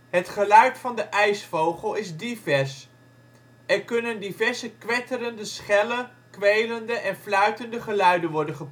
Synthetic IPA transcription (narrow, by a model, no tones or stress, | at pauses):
ɦətχəlœɥtfɑndəʔɛjsfowχəlˠɪzdivɛɹs | ɛɹkɵnəndivɛɹzəkʋɛtəɾəndəsχɛlə | kʋejləndəʔɛnflœɥtəndəχəlœɥdənʋɔɹdənχəp